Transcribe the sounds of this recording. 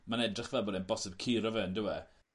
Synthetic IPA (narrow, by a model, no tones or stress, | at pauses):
manɛdrɪχvɛlˠbɔdɛnbɔsɛb̚kʰiːɾɔvɛəndɪwɛ